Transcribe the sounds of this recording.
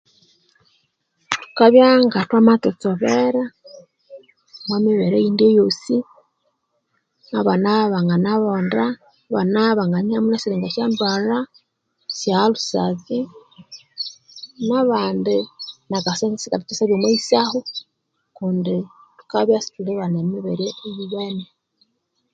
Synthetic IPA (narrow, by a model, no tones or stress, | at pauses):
tu̥kaβjaŋɡatwamatot͡soβeɾa | mwamiβeɾeindejosi | naβanaβaŋɡanaβonda | βanaβaŋɡaniamunasiɾeːŋɡaʃjandwaɾa | sjaalusazi | naβaːndinakasesikatitisaβjomwaisaho | kuːndi | tu̥kaβjasi̥tuleβanemiβeɾeejiβene